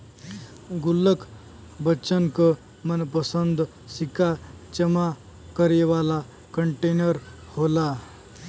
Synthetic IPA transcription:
ɡulːəkʰ | bət͡ɕənkə | mənpəsənd̪ | sika | t͡ɕəma | kəɾjəʋala | kəɳʈenəɾ | hola

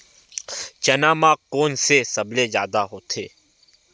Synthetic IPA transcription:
t͡ʃɐnaːmaːkːoːnsesɐblezja̰ːd̪aɦoːt̪ʰeː

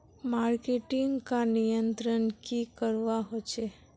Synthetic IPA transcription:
maɾkeʈiŋɡkãnijənt̪ɾənkikəɾʋaɦot͡ʃʰe

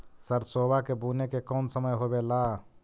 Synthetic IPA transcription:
səɾsoːbakebuːnekekɔːnsəməjɦoːbelaː

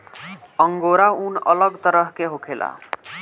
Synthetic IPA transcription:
ʌŋɡoɾaunʌ̰lʌɡt̪ʌɾʌɦkeɦokʰela̰

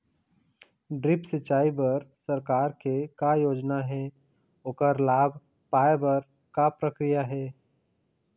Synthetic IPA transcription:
ɖɾɪpsɪt͡ʃaːibɐɾsɐɾkaːɾkekajoːd͡ʒnaɦɛ | okəɾlaːbʱ | paːebəɾ | kapɾəkɾijaɦɛː

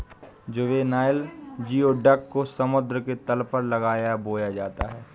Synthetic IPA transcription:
d͡ʒoʋenaːɪld͡ʒiːoɖɐkːosɐmʊd̪ɾəket̪ɐlpɐɾlɐɡaːjaboːjad͡ʒaːt̪aɦɛː

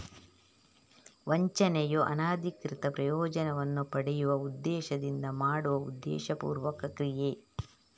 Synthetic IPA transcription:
ʋɐɲt͡ʃɐnɛjoʔɐ̰naːd̪ʱikɾit̪ɐpɾɐjɔːd͡ʒɐnɐʋɐnːupɐɽɛjuʋɐud̪ːɛːʃɐd̪ind̪ɐmaːɽuʋɐṵd̪ːɛ̰ːʃɐpṵːɾʋɐkɐkɾijeː

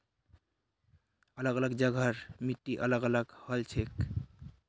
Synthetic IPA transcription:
ʌlaɡʌlaɡd͡ʑʌɡʱaɾmiʈːiʔʌlaɡʌlaɡhʌlt͡ɕʰek

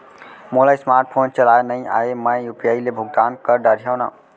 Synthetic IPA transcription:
molajsmaɾʈ̚pʰont͡ʃəlajnəɪ̃a̰emə̃jjupiailebʱʊɡ̚d̪ankəɾɖəɾjawna̰

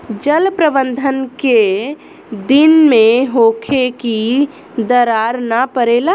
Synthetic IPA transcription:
d͡ʒəlpɾəbənd̪ʱənke | d̪ɪnmẽɦoːkʰeki | d̪əɾaːɾnapəɾeːla

